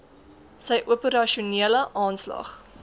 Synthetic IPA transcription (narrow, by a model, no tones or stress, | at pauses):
səjʔuəpəɾɐʃuniələʔɑːnslɑ̰χ